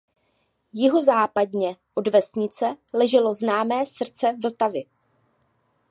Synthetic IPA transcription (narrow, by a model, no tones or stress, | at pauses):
jɪɦo̞zaːpadɲɛʔo̞dvɛsɲɪt͡sɛlɛʒɛlo̞znaːmɛːsr̩t͡sɛvl̩t̪avɪ